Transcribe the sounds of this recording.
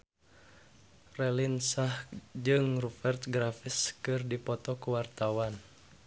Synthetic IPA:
rɛlinsahd͡ʒɨŋrufɛrt̪̚ɡɾafiskɨrdipɔt̪ɔkuwart̪awan

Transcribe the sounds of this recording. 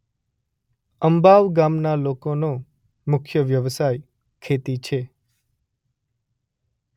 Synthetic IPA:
əmbaʋɡamnalokono | mʊkʰjəʋjəʋsaj | kʰet̪it͡ʃʰe

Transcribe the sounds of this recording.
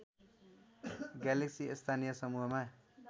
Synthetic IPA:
ɡaleksiest̪ʰanijʌsʌmuɦʌma

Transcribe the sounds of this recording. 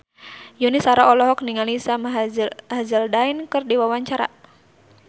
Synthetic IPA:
junisaɾaɔlɔɦɔk̚niŋalisamɦɦazəldainkɨrdiwawaɲt͡ʃaɾa̰

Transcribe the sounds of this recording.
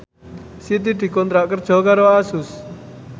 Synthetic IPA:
sit̪̬iɖi̤kɔnt̪ɾaʔkərd͡ʒɔkaɾɔasus

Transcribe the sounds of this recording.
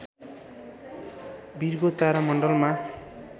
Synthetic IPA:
birɡot̪aɾamʌɳɖʌlma

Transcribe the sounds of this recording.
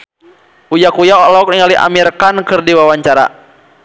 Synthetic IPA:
ujakujaɔlɔɔk̚niŋaliʔa̰mirkankɨrdiwawaɲt͡ʃaɾa̰

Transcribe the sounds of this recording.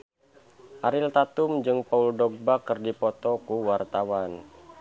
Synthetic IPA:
ʔaɾɪlt̪at̪umd͡ʒɨŋpauldɔɡ̚bakɨrdipɔt̪ɔkuwart̪awan

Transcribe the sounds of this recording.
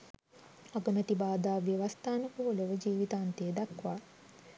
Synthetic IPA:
aɡəmət̪ibaːd̪aːʋiʋast̪aːnəkuuləʋəd͡ʒiːʋit̪aːnt̪ejed̪akʋaː

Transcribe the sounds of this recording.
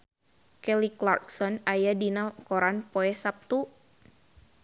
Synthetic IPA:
kɛliklarksɔnajadinakɔɾanpɔɛsap̚t̪u

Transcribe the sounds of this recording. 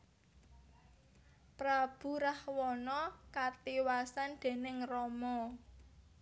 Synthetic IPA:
pɾab̥ṳɾahwɔnɔkat̪iwasand̪̥e̤nɪŋrɔmɔ

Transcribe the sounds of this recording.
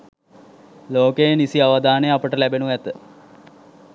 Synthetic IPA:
loːkəjenisiaʋad̪aːnəjapəʈəlæbenuʋæt̪ə

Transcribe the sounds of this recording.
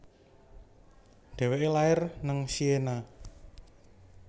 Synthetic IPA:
d̪̥ɛ̤weʔelaɪrnəŋsiena

